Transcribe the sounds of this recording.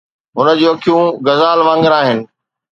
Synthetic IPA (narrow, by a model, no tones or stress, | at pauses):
ɦʊnə̆d͡ʑuːɐkʰijũɡɐzaːlʋãːŋɡəɾaːɦɪnɪ̆